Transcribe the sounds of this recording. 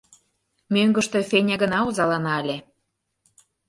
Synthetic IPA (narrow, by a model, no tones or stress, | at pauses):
mʲøŋɡə̆ʃt̪efenʲeɣə̆nɑuzɑlɑnɑəlʲe